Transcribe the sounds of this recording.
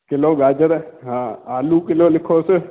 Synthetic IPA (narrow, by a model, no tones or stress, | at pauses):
kɪloːɡaːd͡ʒəɾɛɦãːaːlukɪloːlɪkʰoːse